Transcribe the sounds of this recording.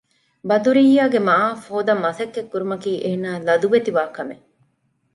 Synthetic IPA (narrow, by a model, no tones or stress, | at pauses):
bɐd̪uɾijːaːɡemaːfoːd̪ɐmːɐsɐkːekːuɾumɐkiːʔeːnaːlɐd̪uʋet̪iʋaːkɐme